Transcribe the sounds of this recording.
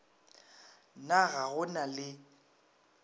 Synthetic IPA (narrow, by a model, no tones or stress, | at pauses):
naɣaɣʊnalɪ